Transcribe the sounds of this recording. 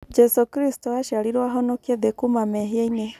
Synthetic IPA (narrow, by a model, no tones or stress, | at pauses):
d͡ʒɛsokiɾistɔaʃaɾiɾwaɦɔnokieðekumamɛɦeaine